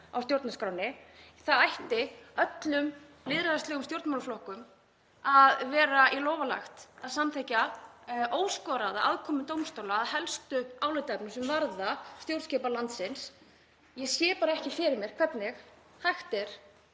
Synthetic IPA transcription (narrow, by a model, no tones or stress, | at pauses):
a̰wst̪jowɾt̪naskɾaːwnɪ | θaðajht̪ɪœt̪lʏm | lɪðɾaðast̪lɛɣʏmst̪jowɾt̪mawnaflɔhkʏm | aðvɛːɾailɔːwvala̰xt̪aðsamt̪ʰehca | oːwskɔːɾaðaʔa̰ðkʰɔːmʏt̪owmst̪owlaːðhɛlst̪ʏaːwlɪt̪ɛp̚nʏsɛmvaɾðast̪jowɾt̪scɛpalant̪sɪns | jɛɣsjɛːpaːɾaɛhcɪfɪɾɪɾmjɛɾ̥kʰvɛt̪nɪx | hajxt̪ɛɾ̥